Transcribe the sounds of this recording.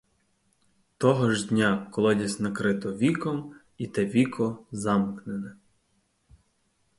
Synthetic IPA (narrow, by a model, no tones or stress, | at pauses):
t̪ɔɦɔʒdʲnʲakɔlˠɔd̪ʲɐsʲnɐkɾɪt̪ɔʋʲikɔm | it̪ɛʋʲikʰɔzɑmknenɛ